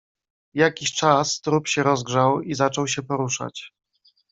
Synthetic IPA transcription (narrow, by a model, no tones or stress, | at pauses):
jakʲiɕt͡ʂast̪ɾupɕɛɾɔzɡʐawizat͡ʂɔwɕɛpɔɾuʂa̰t͡ɕ